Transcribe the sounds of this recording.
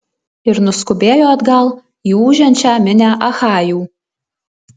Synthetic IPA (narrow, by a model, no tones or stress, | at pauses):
ɪɾnʊskʊbʲeːjoːɐd̪ɡɐlˠ | iːuːʒʲɛnʲt͡ʃʲæːmʲɪnʲæːʔɐxɑːjuː